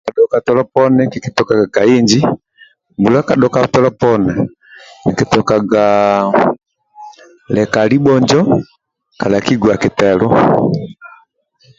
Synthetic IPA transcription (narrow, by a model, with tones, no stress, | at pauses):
ka˨ɗɔ˨ka˨tɔ˨lɔ˦pɔ˦nɛ˦ki˨ki˨tɔ˨ka˨ɡa˨ka˨i˦ɲd͡ʒi˦ | mbu˨la˦ka˨ɗɔka˨tɔ˦lɔ˦pɔ˦nɛ˨ | ni˨ki˨tɔ˨ka˨ɡa | lɛ˨ka˨li˦bɔ˦ɲd͡ʒɔ˦ | ka˨la˨ki˦ɡwa˨ki˨tɛ˨lɔ˦